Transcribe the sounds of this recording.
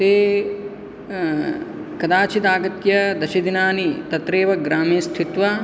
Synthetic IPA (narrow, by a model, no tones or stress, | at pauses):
t̪eː | kɐd̪aːt͡ʃʰit̪aːɡɐt̪jɐd̪ɐʃid̪inaːnit̪ɐt̪ɾeːʋɐɡɾaːmiːst̪ʰit̪ʋɐ